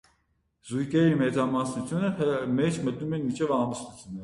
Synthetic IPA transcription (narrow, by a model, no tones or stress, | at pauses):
zujkɛɾimɛt͡sɑmɑsnut̪ʰjunəmɛt͡ʃʰmət̪̚numɛnmit͡ʃʰɛvɑmbəst̪ut͡s̪ʰjunːɛ